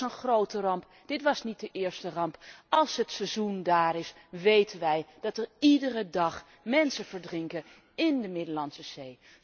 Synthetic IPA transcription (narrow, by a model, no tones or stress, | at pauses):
ənχrowtərɑmp | d̥ɪtʋɑsnit̚dəʔɪːɹstərɑmpɑlˠsɦətsɛzundaːɾɪs | ʋejtənʋɛjd̥ɑtəɹidərədɑχ | mɛnsəvəɹdrɪŋkə | ɪndəmɪdəlɑnsəz̥ej